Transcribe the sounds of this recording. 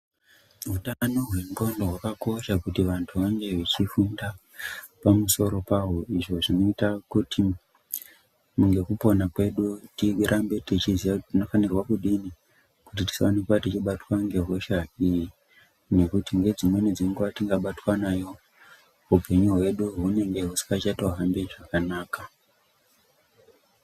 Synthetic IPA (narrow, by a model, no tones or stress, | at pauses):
ɦutanoɦwe̞mɡondoɦwakako̞ʃakutiʋantʰuʋaŋɡe̞ʋet͡ʃifunda | pamuso̞ɾo̞paɦoiʐo̞ʐino̞itakutʰi | muŋɡe̞kupo̞nakwe̞ɗutiɾʔambe̞tit͡ʃizjatino̞fanirwakuɗini | kut̬iti̥sʋanikwatit͡ʃiɓatwaŋɡe̞ɦo̞ʃaiji | nekutiŋɡe̞d͡zimwe̞nid͡ziŋɡuʋatiŋɡaɓatwanajo̞ | ɦupe̞ɲuɦwe̞ɗuɦune̞ŋɡe̞ɦusi̥ŋɡat͡ʃatoɦambeʐakanaːka